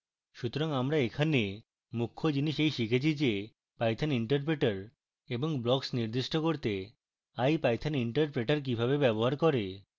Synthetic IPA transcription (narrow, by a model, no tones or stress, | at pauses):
ʃut̪oɾaŋamɾaekʰane | mukʰːod͡ʑiniʃejʃikʰet͡ɕʰid͡ʑe | pajt̪ʰaniɳʈaɾp̬ɾeʈaɾ | eboŋblɔksniɾd̪iʃʈokoɾt̪e | ajpajt̪ʰaniɳʈaɾpɾeʈaɾk̬ibʱabebɛboɦaɾkoɾe